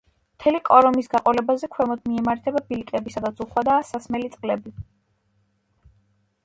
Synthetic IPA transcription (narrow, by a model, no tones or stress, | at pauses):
mt̪ʰɛliqʼɔɾɔmisɡ̥aqʼɔlɛbazɛkʰwɛmɔd̪miɛmaɾt̪ʰɛbabilikʼɛbisad̪at̪zuχwad̪aːsasmɛlit̪sʼqʼlɛbi